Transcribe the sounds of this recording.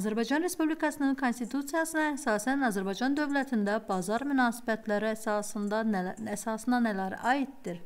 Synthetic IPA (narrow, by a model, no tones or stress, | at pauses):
ɑzæɾbɑjd͡ʒɑnɾe̞spublikʰɑsɯnɯnkʰo̞nst̪it̪ʰut̪sijɑsɯnɑæhsɑːsænɑzæɾbɑjd͡ʒɑnd̪ø̞vlæt̪ʰind̪æbɑzɑɾmynɑːsi̥bæt̪ʰlæɾiɑsɯnd̪ɑæsɑːsɯnd̪ɑnælæɾɑːit̪d̪iɾ